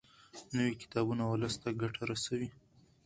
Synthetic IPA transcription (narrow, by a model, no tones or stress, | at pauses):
nəwikɪ̥t̪ɑbunawləst̪aɡaʈaɾasawi